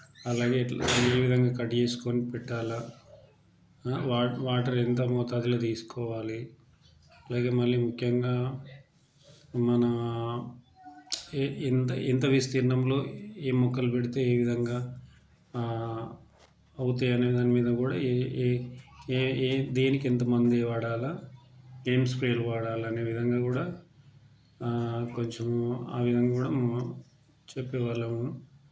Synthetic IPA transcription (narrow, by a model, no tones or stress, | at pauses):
ɐlaːɡe̞ːeːʋid̪ʱɐŋɡaːkɐʈt͡ʃe̞ːsu̥koːnipɛʈːaːlɐ | ʋaːʋaːʈɐɾent̪ɐmɔːt̪aːd̪iloːt̪iːsu̥kɔːʋaːli | ɐlaːɡe̞ːmɐlːimukʰjɐŋɡaː | mɐnɐ | nt̪ɐint̪ɐʋist̪iːɾɐnɐmlo̞ːeːmːɔkːɐlupeɽit̪eːeːʋid̪ʱɐŋɡaː | ɐwut̪ɐːjaɐneːd̪aːnimiːd̪ɐkuːɽa̰ː | d̪eːnikent̪̬ɐmɐnd̪iʋaːɽaːlaː | eːmspɾeːluʋaːɽaːlɐɐne̞ːʋid̪ʱɐŋɡaːkuːɽaː | koɲt͡ʃemaːʋid̪ʱɐŋɡaːkuːɽaː | t͡ʃepːɛːʋaːlːɐunu